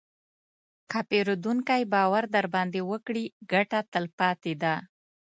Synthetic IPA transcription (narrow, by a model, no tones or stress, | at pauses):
kapeɾod̪uŋkajbɑwaɾd̪aɾbɑnd̪ewəkɽiɡaʈat̪əlpɑt̪ed̪a